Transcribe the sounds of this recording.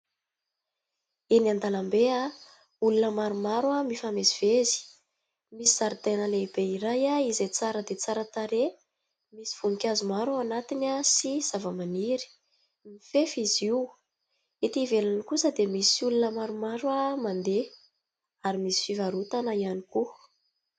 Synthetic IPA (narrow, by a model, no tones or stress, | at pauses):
inand̪alambea | ulunəmaɾumaɾwamifameziv̥ezi̥ | misiz̥aɾit̪enəleib̥eiɾajaizet͡saɾəd̪et͡saɾət̪aɾe | misi̥v̥unikʲazumaɾaanat̪inasiz̥avəmaniɾi̥ | mifefiziw | it̪ivelanikusəd̪emisulunəmaɾumaɾwamand̪e | aɾimisi̥fivaɾut̪anəianiku